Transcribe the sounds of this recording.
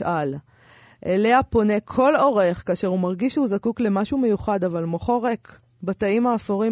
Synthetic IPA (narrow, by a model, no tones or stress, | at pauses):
ʔal | ʔele̞apo̞ne̞kʰo̞loʁeχkaːʃeʁumaʁɡiʃhuzakukle̞maʃume̞juχad̪avalmoχo̞ʁek | bat̪aimaːfoʁi